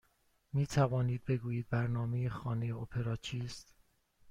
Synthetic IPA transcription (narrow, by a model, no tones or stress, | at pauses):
miːt̪ʰævɒːniːd̪̚be̞ɡuːjiːd̪̚bæɾnɒːmejexɒːne̞jeopʰe̞ɾɒːt͡ʃʰiːst̪